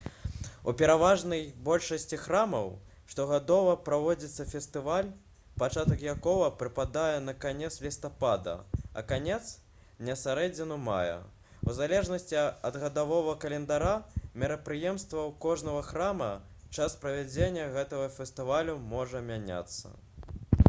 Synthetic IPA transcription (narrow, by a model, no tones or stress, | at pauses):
ṵpʲɛɾavaʐnɐjbɔlʲʂɐsʲt͡sʲixɾamɐw | ʂt̪ɔɣad̪ɔvɐpɾavɔd͡zʲit̪sːɐfʲɛst̪ɨvalʲ | pat͡ʂat̪ɐkjakɔvɐpɾɨpad̪ajɛnɐkanʲɛt̪slʲist̪apad̪ɐ̰ɐ̰kanʲɛt̪s | nʲɛsʲaɾɛd͡zʲinuma̰jɛ̰ | wzalʲɛʐnɐsʲt͡sʲiɐd̪ɣɐd̪avɔvɐkɐlʲɛnd̪aɾamʲɛɾɐpɾɨjɛmst̪vɐwkɔʐnɐɣɐxɾamɐ | t͡ʂaspɾɐvʲad͡zʲenʲːɐɣɛt̪ɐɣɐfʲɛst̪ɨvalʲumɔʐɐmʲanʲa̰t̪sːɐ̰